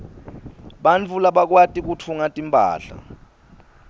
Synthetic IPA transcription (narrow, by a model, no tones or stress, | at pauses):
ɓant͡fʰulaɓak̬watʼik̬utʰuŋatʼimpʼa̰ːɬa̰